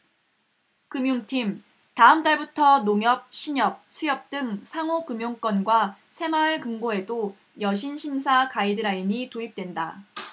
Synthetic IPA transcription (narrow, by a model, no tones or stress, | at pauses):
kɯmjuŋtʰim | taɯmt͈aɭbutʰʌnoŋjʌp̚ɕʰiɲʌp̚sʰujʌp̚t͈ɯŋsʰaŋokɯmjoŋk͈wʌnɡwa | sʰe̞maɭkɯŋɡoe̞do | jʌɕʰinɕʰinsʰakaidɯɾaiɲitoip̚t͈wenda